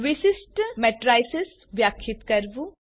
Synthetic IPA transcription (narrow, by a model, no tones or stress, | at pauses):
ʋisisʈmɛʈɾajses | bjakʰːit̪kɐɾbu